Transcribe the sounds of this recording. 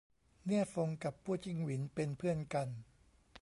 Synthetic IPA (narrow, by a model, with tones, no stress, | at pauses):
nɯ˥˩ət̚fo˧ŋka˨˩pʰːu˥˩ət͡ɕi˥˩ŋwi˩˦npe˧npʰɯ˥˩ənka˧n